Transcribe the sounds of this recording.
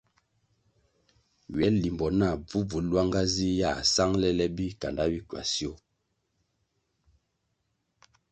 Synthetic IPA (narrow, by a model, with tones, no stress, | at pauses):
ɥɛ˨˦li˨mbɔ˨na˦˨b͡vu˦vu˨˦lwa˦ŋɡa˦zi˦ja˦˨sa˦ŋlɛ˦lɛ˦bi˦ka˨nda˦bi˦ka̰˨si˦o˦